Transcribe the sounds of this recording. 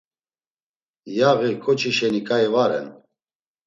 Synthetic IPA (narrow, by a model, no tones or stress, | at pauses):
jaɣikʰʼɔt͡ʃʰiʃɛnikʼaɛvaɾɛ̰n